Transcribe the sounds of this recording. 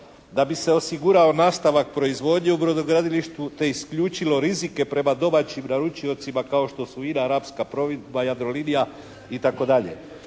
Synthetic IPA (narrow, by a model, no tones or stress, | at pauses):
d̪abise̞o̞siɡuɾao̞naːst̪aʋak̚pɾo̞izʋo̞d̪ɲeubɾo̞d̪oɡɾad̪iliʃt̪ʋut̪e̞iskʎuːt͡ʃilo̞ɾizike̞pɾe̞mad̪o̞mat͡ɕimnaɾut͡ʃio̞t̪simakao̞ʃt̪o̞suinaaɾapskapɾoʋid̪bajad̪ɾo̞linija | it̪ako̞d̪aʎe̞̰